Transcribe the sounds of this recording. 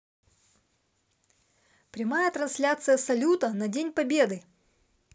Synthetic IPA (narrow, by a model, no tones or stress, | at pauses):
pɾʲɪmajət̪ɾɐnsʲlʲat̪sɨjəsɐlʲut̪ənɐdʲenʲpɐbʲe̞d̪ɨ